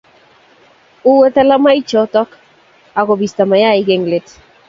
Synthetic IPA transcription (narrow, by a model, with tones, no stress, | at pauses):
u˦wɛ˦t̪ɛ˦la˦ma˦jt͡ʃɔ˨tɔ˦k | a˨kɔ˨bi˨st̪a˨ma˨ja˦˨i˦ɡe˨ŋle˨t